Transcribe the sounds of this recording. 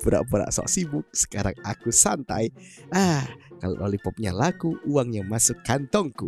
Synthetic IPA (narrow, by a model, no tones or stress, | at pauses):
puɾa̰ʔbuɾa̰ʔsɔ̰ʔsimʊk̚sə̥kaɾa̰ŋakusant̪a̰jakalo̰ʔolipɔp̚ɲa̰lakuuaŋɲamasʊkːant̪ɔŋku